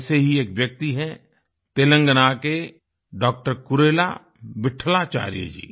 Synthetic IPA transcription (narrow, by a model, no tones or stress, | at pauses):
seɦieːkʋjək̚t̪iɦɛ | t̪eːlə̃ŋɡənake | ɖɔːk̚ʈəɾkʊɾeːla̰ | ʋɪʈʰlat͡ʃa̰ːɾijə̰d͡ʒḭː